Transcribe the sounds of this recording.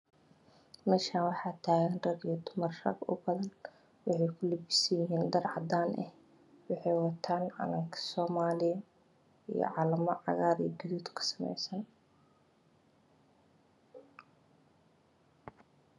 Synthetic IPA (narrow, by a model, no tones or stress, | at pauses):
mɛːʃaːnwɑħɑːt̪ʰaːɣɐnrɐðɪjɐd̪ʊmɐrrɐ̰ɡʊ̰bɐðɐn | wɑħɑjkʰʊlibɪsɐjjɪɦiːnd̪ɐrʕɑd̪aːnʔɛ̰h | wɑħɑjwɑt̪ʰaːnʕɑ̰nɐŋkʰɐ̥sɔːmaːlɪjɐ | ḭjɔ̰ʕɑːlɐmɐʕɑ̰ɣaːɾḭɡɐðuːd̪kʰɐ̥sɐ̥mɛ̰jsɐn